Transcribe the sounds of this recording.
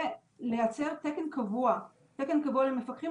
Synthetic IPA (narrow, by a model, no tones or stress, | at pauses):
lejat͡se̞ʁtekenkavua | tekenkavualemːe̞fakχi